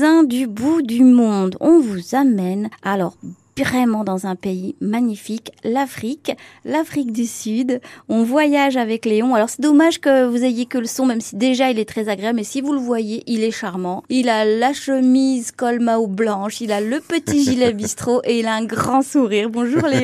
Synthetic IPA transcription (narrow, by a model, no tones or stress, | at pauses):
ɛ̃d̪ybud̪ymɔ̃d̪ɔ̃vuzamɛnalɔʁ | vʁɛmɑ̃d̪ɑ̃zɛ̃peimaɲifiklafχiklafχik̚d̪ysyd̪ɔ̃vwajaʒavɛkleɔ̃alɔʁsɛd̪ɔmaʒkəvuzejekələsɔ̃mɛmsid̪eʒailɛt̪χɛzaɡʁeablmɛsivuləvwajeʔilɛʃaʁmɑ̃ilalaʃəmizkɔlmaoblɑ̃ʃilaləpət̪iʒilɛbist̪χoʔeilaɛ̃ɡʁɑ̃suʁiːʁbɔ̃ʒuʁle